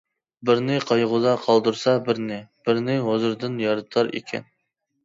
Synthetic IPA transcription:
bɪɾnɪqʰɑjʁʊd̪ɑqʰɑlˠd̪uɾsɑbɪɾnɪb̥ɪɾnɪɦozɨɾd̪ɨnjɑɾɨt̪ʰˠɑɾḛkʲʰɛ̰n

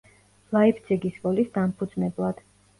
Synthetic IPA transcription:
laipʰd̪zʰɛɡisvʼɔlisd̪ampʰud̪znɛblˠad̪̥

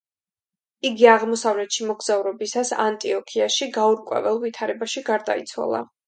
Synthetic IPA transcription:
iɡiaʁmɔsavlɛt̪ʃimɔɡz̥auɾɔbisasa̰nt̪ʼiɔkʰiaʃiɡauɾkʼwɛ̰vɛlˠvit̪ʰaɾɛbaʃiɡaɾd̪a̰ḭt̪sʰwa̰lˠa̰

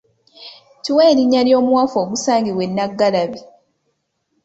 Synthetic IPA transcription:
tiweːɾiɲːaljo̞ːmwafo̞ːɡusaːŋɡiβwe̞nːaɡːalaβi

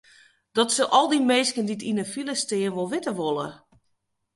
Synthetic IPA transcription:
d̥ɔtsəʔɔlˠdimeːskənditinəfiləstɪənʋolˠʋɪtəʋolˠə̰

